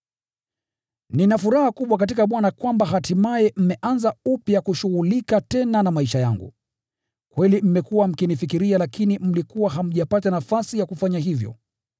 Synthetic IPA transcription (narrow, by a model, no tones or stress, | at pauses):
ninafuɾahakuɓwak̬at̬ikaɓwanakwambaɦatimaɛm̩mɛʔanzaupjakuʃuɣulikatɛnanamaiʃaja̰ŋɡṵ | kwɛlim̩mɛkuwam̩kinifikiɾialakinim̩likuwaɦam̩ʄapatanafasijakufaɲaɦivjɔ̰